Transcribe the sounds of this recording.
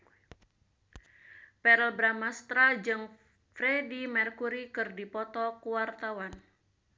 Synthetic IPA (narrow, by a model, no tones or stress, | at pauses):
pɛɾɛlbɾamast̪ɾad͡ʒɨŋ | fɾɛdimɛrkuɾikɨrdipɔt̪ɔkuwart̪awan